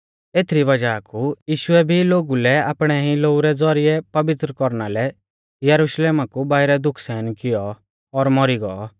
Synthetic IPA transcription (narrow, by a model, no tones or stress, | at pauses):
eːt̪ʰɾibɐd͡ʒaːkujiːʃʊɛbʱiloːɡulɛaːpɽ̃ɛɦĩloːuɾɛd͡zɔɾɪɛpɐʋɪt̪ɾəkɔɾnalɛ | jɐɾuʃleːmakubaːɪɾɛd̪ʊkʰsɛːnkɪjɔː | ɾmɔɾiɡɔ